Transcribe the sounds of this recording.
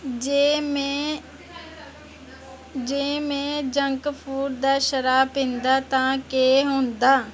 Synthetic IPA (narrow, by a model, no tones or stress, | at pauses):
d͡ʒem | d͡ʒeːmẽːd͡ʒəŋkpʰuːɾd̪aːʃəɾaːpɪ̃nd̪aːt̪ãːkeːɦõːnd̪aː